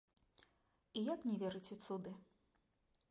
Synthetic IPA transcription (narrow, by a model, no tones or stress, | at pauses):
ijaknʲɛvʲɛɾɨt͡sʲɛt̪sud̪ɨ